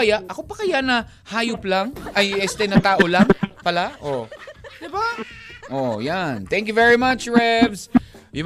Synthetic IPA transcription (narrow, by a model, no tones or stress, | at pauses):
ɐjaʔʔɐkopɐkɐjanɐ | haːjʊplaŋɐjɛst̪ɛnɐt̪aːʔo̞laŋpɐlaʔod̪ɪbaʔojant̪ɛ̃ŋk̬jʊvɛɹimat͡ʃɹɛbsjʊm